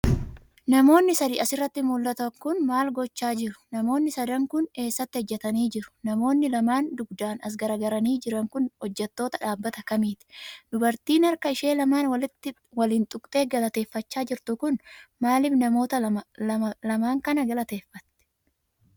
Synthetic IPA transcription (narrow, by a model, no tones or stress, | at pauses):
nɐmo̞ːnːɪsɐd̪iːʔɐsɪrːɐt̪ːɪmʊlːɐt̪ɐŋkʊnmaːlɡɔt͡ʃːaːd͡ʒɪɾʊ̥nɐmo̞ːnːɪsɐd̪ɐŋkʊne̞ːsːɐt̪ːɪhɔd͡ʒːɛt̪ɐniːd͡ʒɪɾʊ̥nɐmo̞ːnːɪlɐmaːnd̪ʊɡd̪aːnɐs̬ɡɐɾɐɡɐɾɐniːd͡ʒɪɾɐŋkʊnhɔd͡ʒːɛt̪ːo̞ːt̪ɐᶑaːbːɐt̪ɐkɐmiːt̪ɪ̥d̪ʊbɐɾt̪iːnɐɾkɐɪʃe̞ːlɐmaːnwɐɪt̪ːɪ | wɐliːnt̪ʼʊkʼt̪ʼe̞ːɡɐlɐt̪e̞ːfːɐt͡ʃːaːd͡ʒɪɾt̪ʊkʊnmaːlɪfnɐmo̞ːt̪ɐlɐlɐmaːŋkɐnɐɡɐlɐt̪e̞ːfːɐt̪ːɛ̥